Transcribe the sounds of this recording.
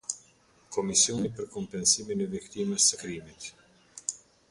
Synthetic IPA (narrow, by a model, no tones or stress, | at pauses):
kɔmisiɔnipəɾkɔmpɛnsiminɛvikt̪iməst̪əkɾimit̪